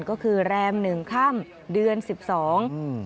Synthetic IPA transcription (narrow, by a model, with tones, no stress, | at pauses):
nkɔː˥˩kʰɯː˧ɾɛː˧mnɯ˨˩ŋkʰa˥˩m | dɯ˧ənsi˨˩p̚sɔː˩˦ŋ